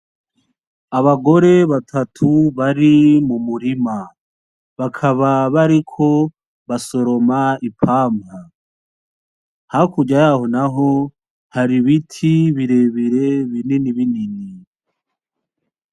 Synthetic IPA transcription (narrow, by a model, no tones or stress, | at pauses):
aβaɡo̞ɾe̞βatʰatʰuβaɾimumuɾima | βakʰaβaβaɾikʰo̞ | βaso̞ɾo̞maipʰaːma | hakuɟajaho̞naɦo | haɾiβitʰiβiɾe̞βiɾe̞βininiβinini